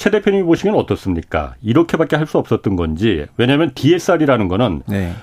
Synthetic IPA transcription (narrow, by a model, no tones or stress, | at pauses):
t͡ɕʰe̞de̞pʰjʌɲimiboɕʰimjʌnʌt͈ʌs͈ɯmɲik͈a̰iɾʌkʰe̞bak͈eɦaɭs͈uʌp̚s͈ʌt̚t͈ɯnɡʌnd͡ʑiwe̞ɲamjʌntie̞s͈aɾiɾanɯnɡʌnɯnne